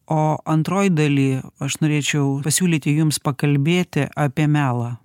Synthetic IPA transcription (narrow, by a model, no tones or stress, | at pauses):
oːʔɐnt̪ɾoːjd̪ɐlʲiːɐʃnoːɾʲeːt͡ʃʲɛʊpɐsʲuːlʲiːt̪ʲɪjʊmspɐkɐlʲbʲeːt̪ʲɪ̰ʔɐːpʲiɛmʲæːlˠɐː